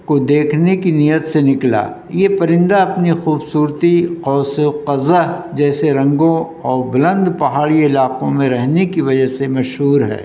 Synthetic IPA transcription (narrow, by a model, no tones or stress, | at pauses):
kod̪eːkʰnekinijət̪senɪkla̰ː | jepɐɾɪ̃nd̪aɐpnixuːbsuːɾt̪iqɔːsqɐzəɦd͡ʒɛːseɾɐ̃ŋɡõ | ɔːɾbʊlə̃nd̪pɐɦaːɽiɪlaːqõmẽɾɛɦnekiʋɐd͡ʒəɦsemɐʃɦuːɾɦɛ̰ː